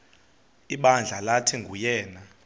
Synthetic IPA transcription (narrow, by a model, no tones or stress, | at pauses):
iɓand͡ɮʱalatʰiŋɡʱujɛːna